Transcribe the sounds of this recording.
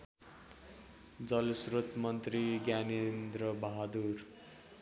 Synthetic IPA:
d͡zʌlsrot̪mʌnt̪riɡjanend̪rʌbʌɦad̪ur

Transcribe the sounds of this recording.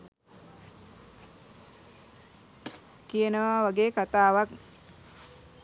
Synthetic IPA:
kijənəʋaːʋaɡeːkat̪aːʋak

